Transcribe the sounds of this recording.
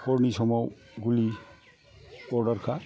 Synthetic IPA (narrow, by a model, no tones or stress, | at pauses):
kɔɹnisɔmɔw | ɡuli | ɔɹɖɔɹkʰa